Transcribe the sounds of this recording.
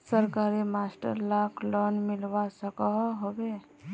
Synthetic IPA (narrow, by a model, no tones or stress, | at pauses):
səɾkaɾemasʈə̰ɾlakʰlɔnmilbasəkəɦɦobe